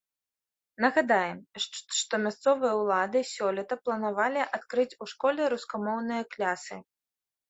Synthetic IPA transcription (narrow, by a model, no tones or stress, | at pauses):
nɐɣad̪ajɛmʂt̪ɔmʲast̪sɔvɨjɐwlˠad̪ɨsʲɔlʲɛt̪ɐplˠɐnavalʲiʔat̪kɾɨt͡sʲuʂkɔlʲɛɾuskamɔwnɨjɐklʲasɨ